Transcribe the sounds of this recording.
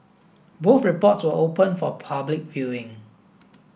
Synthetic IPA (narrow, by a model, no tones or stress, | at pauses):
boθɹipɔtswəʔopə̃nfɔpʰablɪk̚vjuɪ̃ŋ